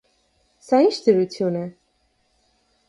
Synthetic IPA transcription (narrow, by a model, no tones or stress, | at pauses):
saint͡ʃʰd̪əɾut̪ʰjunɛ